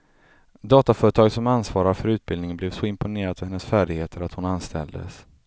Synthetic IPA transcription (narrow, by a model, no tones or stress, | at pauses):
d̪ɑːt̪afœːɾət̪ʰɑːɡsɔmansvɑːɾaɾfœɾʉ̟ːt̪̚bɪld̪ɪŋənblɛːvsɔɪmpʊneːɾad̪fœhɛnːəsfæːɖɪɡheːt̪ʰəɾat̪hʊnanst̪ʰɛ̰ld̪ə̰s